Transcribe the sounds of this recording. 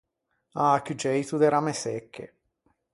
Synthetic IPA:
aːkud͡ʒɛjt̪ud̪eɾamesɛkʰːḛ

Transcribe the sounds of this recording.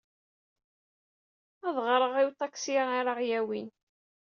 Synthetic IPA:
æðˤʁɾˤəʁiwt̪ˤːɑksiiɾˤəʁjæwin

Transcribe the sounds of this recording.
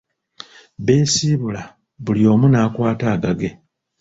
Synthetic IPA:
βe̞ːsiβula | βulio̞ːmunaːkwaːtaːɡaɡe̞

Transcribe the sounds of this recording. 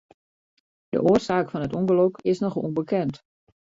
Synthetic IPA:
d̥ə̰ʔoərsaːkfɔnɦətuŋɡəlokɪsnɔχṵnbəkʰɛnt

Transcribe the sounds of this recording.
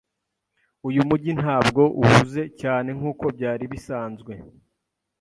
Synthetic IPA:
ujumuɟin̥haːbɡo̞ʔuhuze̞caːne̞ŋ̥uːko̞bɟaːɾiβisaːnzɡwe̞

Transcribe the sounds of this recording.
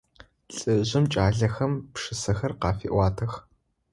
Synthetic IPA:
ɬʼɨʑɪmt͡ʃʼaːɮɐxɐmpʂɨsɐxɐrqɑːfḭːʔʷɑːtʰɐx

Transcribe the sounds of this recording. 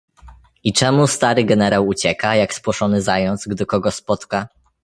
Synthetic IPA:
it͡ʂɛmust̪aɾɘɡɛnɛɾawut͡ɕɛkajakspwɔʂɔnɘzajɔnt̪sɡd̪ɪkɔɡɔspɔt̪ka

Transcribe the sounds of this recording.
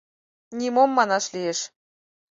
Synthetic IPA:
nʲimomːɑnɑʃlieʃ

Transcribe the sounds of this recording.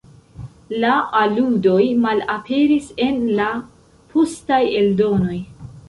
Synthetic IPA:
laʔaludo̞jmalapʰe̞ɾise̞nla | pʰustaje̞ldo̞no̞j

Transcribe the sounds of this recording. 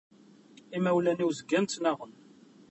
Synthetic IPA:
imæwlæniwzəɡænt͡s̪ːnæʁən

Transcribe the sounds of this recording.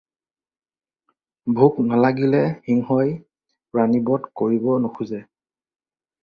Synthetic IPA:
bʱuknalaɡilɛxiŋhɔj | ɹanibɔtkoɹibɔnoxuzɛ

